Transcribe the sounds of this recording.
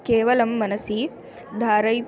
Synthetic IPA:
keːʋɐlɐmːɐnɐsi | d̪ʱaːɾɐj

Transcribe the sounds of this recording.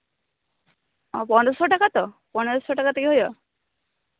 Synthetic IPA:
ɔpɔnɔsɔʈakat̪ɔpɔnɔɾsɔʈakat̪ɔkiɦojɔ

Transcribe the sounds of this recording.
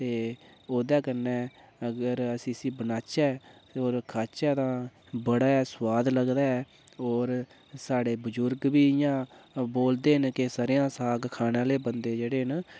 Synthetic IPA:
t̪eːoːd̪ɛːkənːɛː | əɡəɾəsĩːsĩːbənaːt͡ʃɛːoːɾkʰaːt͡ʃɛːt̪ãː | bəɽaːɛːswaːd̪ləɡd̪aːɛː | oːɾ | saːɽeːbəd͡ʒʊɾɡbiːɪjãːboːld̪eːɦənkɪsaːɾɪjãːsaːɡkʰaːnãːleːbənd̪eːd͡ʒeːɽeːɦən

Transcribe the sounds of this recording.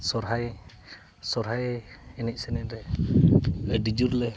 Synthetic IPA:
sɔɾɦaj | sɔɾɦajɛnic̚sɛnɛnɾɛ | adid͡ʒuɾlɛ

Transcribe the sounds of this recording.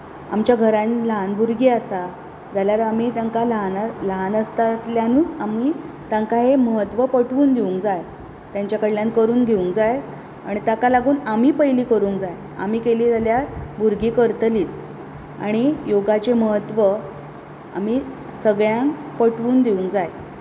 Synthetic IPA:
a̰mt͡ɕjaɡʱəɾanləɦanbuɾɡiːasa | d͡zaljaɾamiːt̪aŋkaləɦanləɦanəst̪at̪ljanuːt͡samiː | t̪ãŋkaɦeməɦət̪ːʋəpəʈʋuːnd̪euŋkd͡zaj | t̪jaɲt͡ɕjakəɽljãnkəɾuːŋɡʱeuŋkd͡zaj | a̰ɽ̃it̪akalaɡuːnam̤iːpəjliːkəɾuːŋkd͡zaj | a̰miːkeliːd͡zaljabuɾɡiːkəɾt̪liːt͡s | a̰ɽ̃ijoɡat͡ɕeməɦət̪ʋə | a̰mi | səɡɭjãŋk | pəʈʋuːnd̪eũŋkd͡zaj

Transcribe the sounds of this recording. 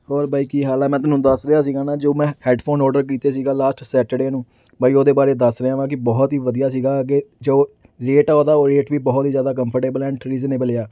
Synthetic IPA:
ɔːɾbaːiːkiːɦaːlaːmɛ̃ːt̪ʊnũːd̪əsɾeaːs̬iːɡaːnaːd͡ʒoːmɛ̃ːhɛːɖpʰoːnɔːɾɖəɾk̬iːt̪eːs̬iːɡaːlaːsʈsɛːʈeɖeːnũː | baːiːoːd̪eːbaːɾeːd̪əsɾeãːʋãːkɪbɔːt̪ɦiːʋəd̪ijaːs̬iːɡaːked͡ʒoː | ɾeːʈaːoːd̪aːoːɾeːʈʋiːbɔːt̪ɦiːzjaːd̪aːk̬ə̃mpʰəɾʈeːbəlɛ̃ːɳʈɾiːzneːbəleːaː

